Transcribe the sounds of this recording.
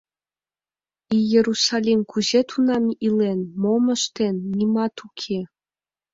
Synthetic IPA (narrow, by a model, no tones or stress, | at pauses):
ijeɾusɑlʲimkʰuʑet̪ʰunɑmilenmomə̆ʃt̪enːimɑt̪ukʰe